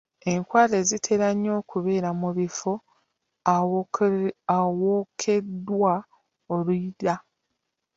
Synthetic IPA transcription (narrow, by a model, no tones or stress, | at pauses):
e̞ŋkwaːle̞zitʰe̞ɾaɲːo̞ːkuβe̞ːɾamuβifo | awoːkʰe̞dːwa | oluida